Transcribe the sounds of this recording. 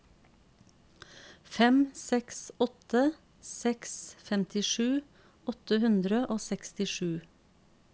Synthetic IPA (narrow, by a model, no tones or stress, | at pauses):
fɛmsɛksɔt̪ə | sɛksfɛmt̪ʰɪʃʉː | ɔt̪əhʉnd̪ɾəʔoːsɛkst̪ɪʃʉː